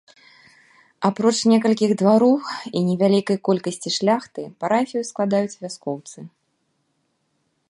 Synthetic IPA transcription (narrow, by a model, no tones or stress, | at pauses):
apɾɔt͡ʂnʲɛkɐlʲkʲiɣd̪vaɾɔwinʲɛvʲalʲikɐjkɔlʲkɐsʲt͡sʲiʂlʲaxt̪ɨpaɾafʲijusklˠad̪ajut͡sʲvʲaskɔwt̪sɨ